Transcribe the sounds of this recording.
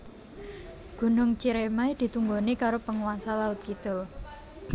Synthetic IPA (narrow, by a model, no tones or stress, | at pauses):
ɡ̥ṳnʊŋt͡ʃiɾemaid̪̥i̤t̪uŋɡonikaɾopəŋuwansalaʊt̪̚kit̪o